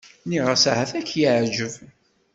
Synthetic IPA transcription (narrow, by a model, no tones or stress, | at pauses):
niʁəsahæθækːjiəʕd͡ʒəv